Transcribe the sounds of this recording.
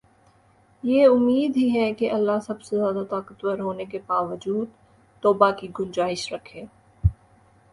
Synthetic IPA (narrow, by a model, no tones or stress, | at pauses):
jeʊmːiːd̪ɦiɦɛkeʔɐlːasɐbsezjaːd̪at̪aːkət̪wəɾɦoːnekebaːʋəd͡ʒuːd̪ | t̪ɔːbakiɡʊ̃nd͡ʒaːɪʃɾɐkʰeː